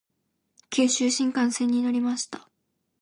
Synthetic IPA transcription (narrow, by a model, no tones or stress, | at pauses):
kʲʰɨːɕɨːɕĩŋkãɰ̃sẽ̞ɲ̟ːino̞ɾʲimaɕi̥t̪ḁ